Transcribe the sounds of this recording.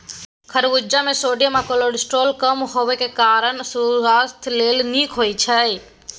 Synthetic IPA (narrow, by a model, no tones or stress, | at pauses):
kʰəɾʋud͡ʒamesoɖjamakoloɖsʈɾolkəmɦoʋekekaɾəɳsuast̪ʰlelnikɦojt͡ʃʰəj